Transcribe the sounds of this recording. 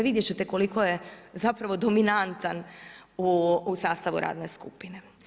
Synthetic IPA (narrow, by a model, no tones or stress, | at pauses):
ʋid̪jet͡ʃet̪eko̞liko̞jezapɾaʋo̞d̪ominant̪anuusaːst̪aʋṵɾʔa̰ːd̪ne̞skṵpine̞